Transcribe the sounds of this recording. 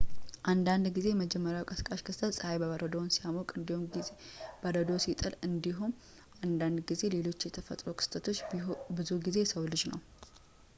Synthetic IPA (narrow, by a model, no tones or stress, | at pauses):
ʔand̪and̪ɡize̞jməd͡ʒɛmːəɾjawkʼəskʼaʃkʰɨst̪ʰət̪sʼəhajbəβəɾəd̪ownsijamokʼɨnd̪ihum | b̥əɾəd̪o̞sit̪ʼɨlɨnd̪iɦum | and̪and̪ɡize̞le̞lo̞t͡ʃːɪjɛt̪ʰəfə̰t̪ʼɾo̞kʰɨ̥st̪ʰət̪ʰo̞t͡ʃːbɨzuɡize̞səwlɨd͡ʒnə̰w